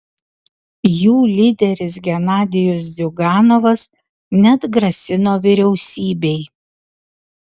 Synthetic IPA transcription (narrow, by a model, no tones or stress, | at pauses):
juːlʲiːd̪ʲɛɾʲɪsɡʲɛnɑːd̪ʲɪjos̬zʲʊɡɑːnoʋɐs | nʲɛd̪ɡɾɐsʲɪnoːʋʲɪɾʲɛʊsʲiːbʲɛɪ